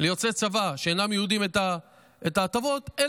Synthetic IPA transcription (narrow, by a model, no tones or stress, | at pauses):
lejo̞t͡se̞t͡savaʃeenamjeud̪imet̪a | etaːt̪avo̞t̪e